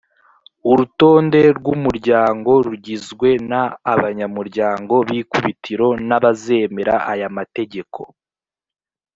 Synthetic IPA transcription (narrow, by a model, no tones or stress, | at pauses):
uɾuto̞ːnde̞ɾɡumuɾɟaːŋɡo̞ɾuɟizɡwe̞naːβaɲamuɾɟaːŋɡo̞βiːkuβitʰiɾo̞naβaze̞me̞ɾaʔajamate̞ɟe̞kʰo̞̰